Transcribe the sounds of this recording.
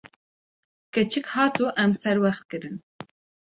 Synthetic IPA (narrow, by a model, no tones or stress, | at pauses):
kɛt͡ʃʰɨkhɑːt̪ʰuʔɛmsɛɾwɛxt̪̚kɨɾɨn